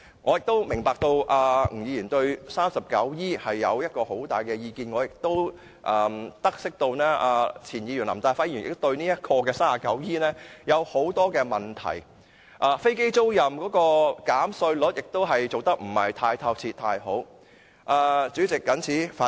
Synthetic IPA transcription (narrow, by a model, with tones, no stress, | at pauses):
ŋɔː˨˧jɪ˨k̚t̪o˥wmɪ˨˩ŋpaː˨k̚t̪o˧wʔaː˧m̩˨˩jiː˨˧jiː˨˩nt̪ɵ˧ɥsaː˥msɐ˨p̚kɐ̰˨˥wjiː˥hɐ˨jːɐ̰˨˧wjɐ˥t̚kɔː˧ho˨˥wt̪aː˨˩jkɛ˧jiː˧kiː˧nŋɔː˨˧jɪ˨k̚t̪o˥w | ʔɐː˨˧t̪ɐ˥k̚sɪ˥k̚t̪o˧wnɛː˥ʔaː˧t͡sʰiː˨˩njiː˨˧y˨˩nlɐ̰˨˩mt̪aː˧˩faː˨˥njiː˨˩nɪ̰˨t̪t̪ɵ˧ɥniː˥jɐ˥t̚kʰɔː˧kɛː˧saː˥a˨˩kɐ˨˥wjiː˥nɛː˥jɐ˨˧who˨˥wt̪ɔː˥kɛː˧mɐ˨˩nt̪ʰɐ̰˨˩j | ʔaː˧fe˥jke˥jt͡so˥wjɐ˨mkɔː˨˥kɔː˧kaː˨˥msɵ˧ɥlʊ˨˥t̚jɪ˨k̚t̪o˥wɦɐ˨jt͡so˨wt̪ɐ˥k̚m̩˨˩hɐ˨jt̪ʰaː˧jt̪ʰɐ˧w̚t͡sʰiː˧t̪ʰaː˧jɦo˨˥w | ʔaː˧t͡syː˨˥t͡sɪ˨kːɐ˨˥nt͡sʰiː˨˥faː˨˥